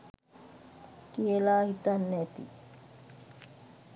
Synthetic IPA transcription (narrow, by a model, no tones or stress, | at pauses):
kielaːhit̪anːet̪ḭ